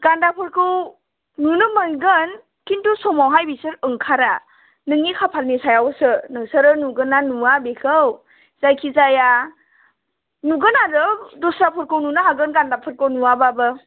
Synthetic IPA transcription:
ɡ̥andapʰɯɾkɯw | nunɯmənɡɯn | kintusɔmawɦajbisɯɾɯŋkʰaɾa | nɯŋnikʰapʰalnisajawsɯnɯŋsɯɾɯnuɡɯnanuwabekʰɯw | zajkʰizaja | nuɡɯnaɾɯdɔsɾapʰɯɾkɯwnunɯɦaɡɯnɡandapʰɯɾkɯwnuababɯ

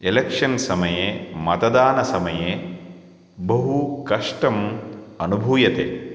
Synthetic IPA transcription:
elekʂɐnsɐmɐjeːmɐt̪ɐd̪aːnɐsɐmɐjeː | bɐɦukɐʂʈɐmɐnubʱuːjɐt̪ḛː

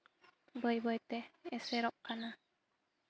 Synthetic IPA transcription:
bəjbəjt̪ɛɛsɛɾɔʔ̚kana

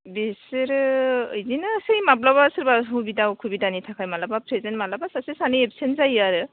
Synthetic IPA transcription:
besɯɾɯɯjzinɯsɯjmap̚labasɯɾbaɦubidawkʰubidanitʰakʰajmalabapʰɾezentmalabasasesanɯepsenzajaɾɯ

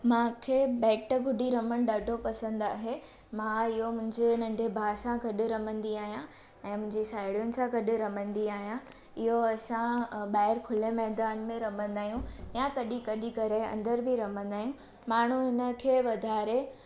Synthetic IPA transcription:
mãkʰeːbɛːʈə̆ɡʱʊɖʱiɾɐməñɪ̆ɗaːɖʱopɐsə̃nd̪aːɦe | mãɪɦomʊ̃ɦɪ̃ɲd͡ʑenɐ̃ɳɖʱebʱaːʃãɡɐɗɪ̆ɾɐmə̃nd̪iaːɦijã | ɛ̃ːmʊ̃ɦɪ̃ɲd͡ʑiʃaːɪɽijʊnɪ̆sãɡɐɗɪ̆ɾɐmə̃nd̪iaːɦijã | ɪɦoɐsãɓaːɪɾkʰʊlemɛːɦd̪aːnmẽɾɐmə̃nd̪aːjũjãkɐɗikɐɗikɐɾeɐ̰̃nd̪əɾbʱiɾɐmə̃nd̪aːijũ | maːɳ̤uɦɪnə̆kʰeːʋɐd̪ʱaːɾe

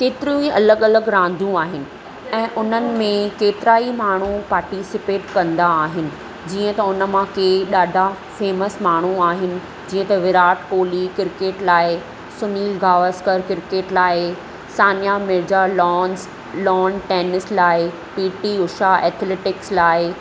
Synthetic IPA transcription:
keːt̪ɪɾjũiɐləɡɐləɡɾãːn̆d̪ʱũaːɦɪnɪ̆ | ɛ̃ːʔʊn̤ənɪ̆mẽkeːt̪ɪɾaːimaːɳ̤upaːɾʈisɪpeːʈkɐ̃nd̪aːɦɪnɪ̆ | d͡ʑiːə̃t̪ɐʊnəmãkʰeɗaːɖʱa | feːməsmaːɳ̤uaːɦɪnɪ̆ | d͡ʑiːə̃t̪ɐʋɪɾaːʈkoːlikɪɾkeːʈlaːɪ | sʊniːlɡʱaːʋəskəɾkɪɾkeːʈlaːɪ | saːnjamɪɾd͡ʑalɔːns | lɔːnʈeːnɪslaːɪ | piːʈiʊʃaeːt̪ʰleːʈɪkslaːɪ

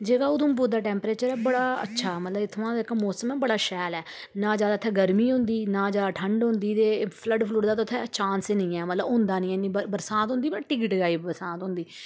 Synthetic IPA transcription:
d͡ʒeːɡaːʊd̪ũːmbuːd̪aːʈɛ̃ːmpɾeːt͡ʃəɾɛːbəɽaːə̰tːʃʰaːmət̪ləbɪt̪ʰːʋãːeɪkmɔːsəmɛːbəɽaːʃɛːlɛː | nãːd͡ʒjaːd̪aːt̪ʰːɛːɡəɾmiːɦʊ̃ːnd̪iːnãːd͡ʒjaːd̪aːʈʰəɳɖɦʊ̃nd̪iːt̪eːpʰləɖpʰlʊɾd̪aːt̪oːt̪ʰːɛət͡ʃãːnsnĩːɛːmət̪ləbʊ̃nd̪aːnĩːɛnːĩːbəbəɾsãːt̪ɦʊ̃nd̪iːpəɽʈɪkɪʈɡaːiːbəɾsãːt̪ɦʊ̃ːnd̪iː

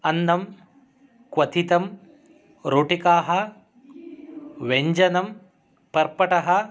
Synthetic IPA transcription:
ɐnːɐm | kʋɐt̪ʰit̪ɐm | ɾoːʈikaːɦɐ | ʋeɲd͡ʒɐnɐm | pɐɾpɐʈɐɦɐ

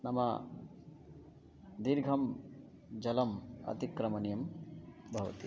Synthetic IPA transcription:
nɐmɐ̰ | d̪iɾɡʱɐm | d͡ʒɐlɐmɐ̰t̪ikɾɐmɐnjɐmbʱɐʋɐ̰t̪i

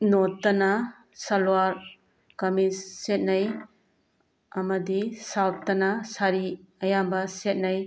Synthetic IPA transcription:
notːɐnɐ | sɐlwaɾ | kɐmisːet̚nɐj | ɐmɐdisawtːɐnɐsaɾiɐjambɐset̚naj

